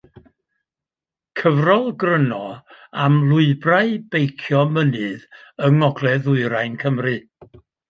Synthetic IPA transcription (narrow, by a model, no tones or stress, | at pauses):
kʰəvrɔlˠɡrənɔamlˠʊɨbraɨb̥ejkʰjɔmənɨðəŋɔɡlɛðʊɨɾajnkʰəmrɨ